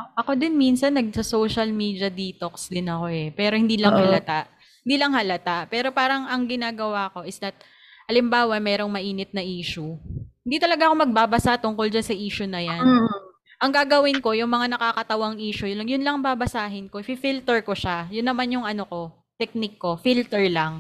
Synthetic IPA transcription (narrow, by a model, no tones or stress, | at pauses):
ʔɐko̞d̪ɪnmiːnsɐnːɐɡ̚sɐsoːʃɐlmiːd̪jɐd̪iːt̪oksd̪ɪnɐko̞ʔɛpɛːɾo̞hɪnd̪iːlɐŋhɐlɐt̪aʔ | hɪnd̪iːlɐŋhɐlɐt̪aʔpɛːɾo̞paːɾɐŋʔɐŋɡɪnaːɡɐwaːko̞ʔɪsd̪ɐt̪̚ | ʔɐlɪmbaːwɐmɛːɾo̞ŋmɐʔiːnɪt̪̚nɐʔiːʃuhɪnd̪iːt̪ɐlɐɡaʔɐko̞mɐɡ̚baːbɐsaʔt̪ʊŋko̞ld͡ʒansɐʔiːʃʊnɐjan | ʔɐŋɡaːɡɐwɪnko̞jʊŋmɐŋanɐkakɐt̪ɐwaŋʔiːʃʊjlɐŋjʊnlɐŋbaːbɐsaːɦɪnkoɪpifilt̪ɛɹko̞ʃajʊnːɐmanjʊŋʔɐno̞ko̞ | t̪ɛk̚nɪkːo̞filt̪ɛɹlɐŋ